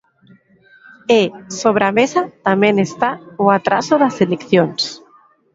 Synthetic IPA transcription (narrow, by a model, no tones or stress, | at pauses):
esoβ̞ɾamesat̪amenest̪aoat̪ɾa̰soðaselekθjons